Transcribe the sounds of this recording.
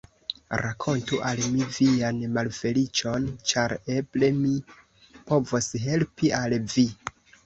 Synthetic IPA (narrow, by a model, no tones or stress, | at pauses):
ɾakʰo̞ntuʔalmivianmalfe̞lit͡ʃo̞nt͡ʃaɾe̞ble̞mi | po̞vosɦe̞lpialvi